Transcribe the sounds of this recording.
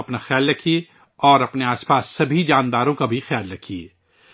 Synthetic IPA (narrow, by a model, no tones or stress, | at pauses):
ɐpnaxjaːlːɐkʰi | ɔːɾɐpneaːspaːsːɐbʱid͡ʒaːnd̪aːɾõkabʱixjaːlɾɐkʰi